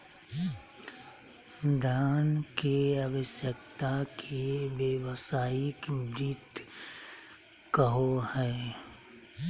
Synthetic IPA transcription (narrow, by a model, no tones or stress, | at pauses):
d̪ʱjaːnkeəʋəʃjək̚t̪akʰeʋjeʋsaːɪkɾit̪ | kəɦohɛː